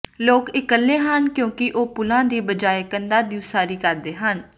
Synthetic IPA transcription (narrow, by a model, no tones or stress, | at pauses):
loːkɪkəlːeːɦənkjõːkɪʔoːpʊlãːd̪iːbəd͡ʒaːekənd̪aːd̪iusaːɾiːkəɾd̪eːɦən